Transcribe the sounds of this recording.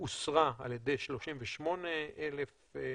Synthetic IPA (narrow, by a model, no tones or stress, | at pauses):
usʁaaljed̪e̞jʃlo̞ʃimveʃmo̞neelef